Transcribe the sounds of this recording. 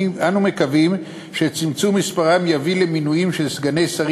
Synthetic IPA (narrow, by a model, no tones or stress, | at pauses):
anume̞kavim | ʃe̞t͡simt͡sumːispaʁamjavile̞minujimʃelsɡanejsaʁ